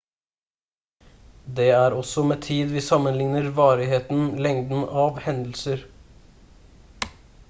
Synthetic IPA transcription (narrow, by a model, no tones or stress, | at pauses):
d̪eːæːɾɔsɔmeːt̪ʰiːd̪ʋɪːsɑmənlɪŋnəɾʋɑːɾɪɦeːt̪n̩lɛŋd̪n̩ɑʋhɛnd̪l̩səɾ